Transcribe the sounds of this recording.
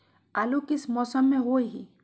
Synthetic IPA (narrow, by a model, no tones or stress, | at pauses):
alukɪsmɔːsəmːẽɦoeɦḭ